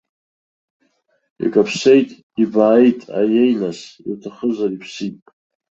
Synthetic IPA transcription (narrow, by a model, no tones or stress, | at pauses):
ḭkʼapʰsejtʼ | ibaːjtʼa̰jejnasiltʰaχəzaɾipʰsitʼ